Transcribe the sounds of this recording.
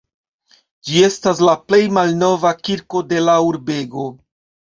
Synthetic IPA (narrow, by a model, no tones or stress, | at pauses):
d͡ʒie̞stas̬laple̞jmalno̞vakiɾko̞de̞lauɾbe̞ɡo̞